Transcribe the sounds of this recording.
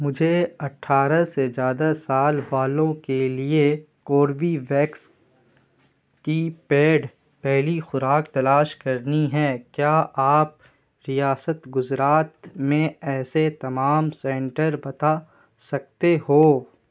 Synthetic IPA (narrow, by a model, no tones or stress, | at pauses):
mʊd͡ʒʱeɐʈʰːaːɾəsezjaːd̪asaːlʋaːlõkelie | koːɾbiʋɛːks | kipeːɖ | pɛɦlixʊɾaːkt̪ɐlaːʃkɐɾniɦɛːkjaːʔaːp̚ | ɾijaːsət̪ɡʊzɾaːt̪mẽɛːset̪ɐmaːmsɛ̃ɳʈəɾbɐt̪a | sɐk̚t̪ehoː